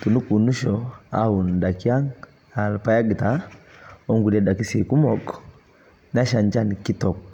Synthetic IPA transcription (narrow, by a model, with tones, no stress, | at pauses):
tu˨nu˦ku˨nu˦ʃɔa˦u˨nda˨ki˦a˦ŋ | a˨lpa˦ja˦ɡi˨ta˨ | ɔ˦ŋɡu˨ɾɛ˨da˨ki˦si˨ku˦mɔkɔ | na˦ʃa˨ɲd͡ʒa˦niki˦tɔ˨k